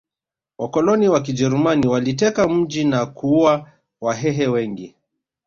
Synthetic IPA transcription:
wʔakɔlɔniwak̬id͡ʒɛɾumaniwalitɛkam̩d͡ʒinakuua | waɦɛɦɛwɛŋɡi

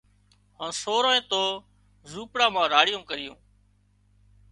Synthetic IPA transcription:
hãːnsoːɾoːẽːt̪oː | zuːpɽãːmãːɾaːɽɪjõːkəɾɪjõ̰ː

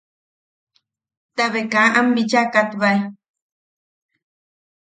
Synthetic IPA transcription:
t̪aβekaʔambit͡ʃakat̪βaj

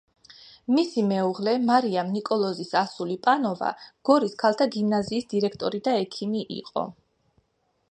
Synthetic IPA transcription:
misimɛuʁlɛmaɾiamnikʼɔlˠɔzisasulipʼanɔva̰ɡ̥ɔɾiskʰalˠt̪ʰaɡimnaziːsd̪̥iɾɛkʰt̪ʼɔɾid̪aɛkʰimiʔḭqʼɔ̰

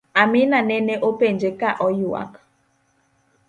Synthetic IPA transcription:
aminanɛneʔopend͡ʒekaʔɔjua̰k

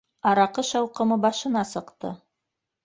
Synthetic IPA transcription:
ɑɾɑqɤʃɑwqɤ̆mɤbɑʃɤ̆nɑsɤ̆qt̪ɤ̰

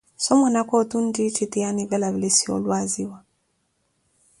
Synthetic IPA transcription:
sɔmwanakotun̩dit͡ʃitijaniβɛlaβilesio̰lwaziwa

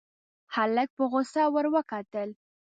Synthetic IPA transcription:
halak̚pəɣʊsawəɾwəkɑt̪əl

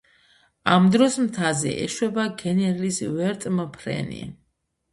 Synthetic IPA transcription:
amd̪ɾɔsmt̪ʰazɛ̰ʔɛ̰ʃwɛbaɡɛnɛɾlisvɛɾt̪ʼmpʰɾɛ̰nḭ

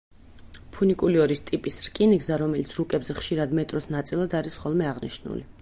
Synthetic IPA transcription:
pʰunikʼuliɔɾist̪ʼipʼisɾkʼiniɡzaɾɔmɛlit̪sʰɾukʼɛbzɛχʃiɾad̪mɛt̪ʼɾɔsnat̪sʼilˠad̪aɾisχɔlˠmɛaʁnḭʃnṵli

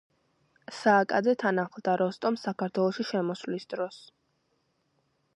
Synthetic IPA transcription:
saːkʼad̪zɛt̪ʰanaχlˠd̪aɾɔst̪ʼɔmsakʰaɾt̪ʰwɛlˠɔʃiʃɛmɔslisd̪ɾɔs

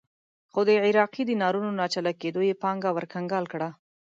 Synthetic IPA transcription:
xod̪əʕɪɾɑqid̪ənɑɾunonɑt͡ʃalaked̪ojepɑŋɡawəɾkaŋɡɑlkɽa

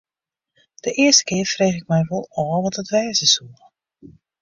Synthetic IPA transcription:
d̥əʔɪːərstə̥kɪːrfreːχɪk̚mɛjʋɔlˠɔːʋɑtətʋɛːzəsulˠ

